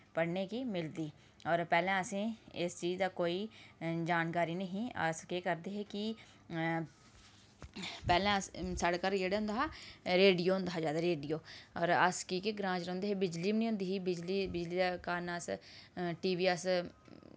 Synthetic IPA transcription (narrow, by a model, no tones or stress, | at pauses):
pəɽneːkiːmɪld̪iː | ɔːɾpɛːlẽːəsẽːɪst͡ʃiːd͡ʒd̪aːkoːiːd͡ʒaːnkaːɾiːnəɦĩːə̰skeːkəɾd̪eːɦeːkɪ | pɛːlẽːsəɽkəɾeːɽeɦʊ̃nd̪aaːɾeːɖijoːɦʊ̃nd̪aɦaːd͡ʒaːd̪aːɾeːɖijoːɔːɾəskiːkeɡɾãːd͡ʒɾə̃ːnd̪eːɦebɪd͡ʒliːmnĩɦʊ̃nd̪iːɦiːbɪd͡ʒliːbɪd͡ʒliːkaːɾnəsʈiːʋiːəs